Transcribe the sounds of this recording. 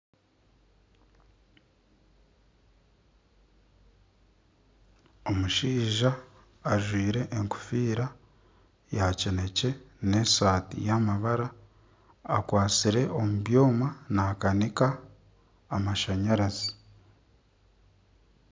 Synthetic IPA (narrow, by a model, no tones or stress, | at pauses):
o̞muʃiːʒaː | ʒwiːɾe̞ʔːŋku̥fiːɾa | jacene̞ce̞ne̞ːsaːtḭjamaβaɾaː | kwaːt͡siɾe̞ʔo̞muβjo̞ːmanaːkanikaː | maʃaɲaɾazi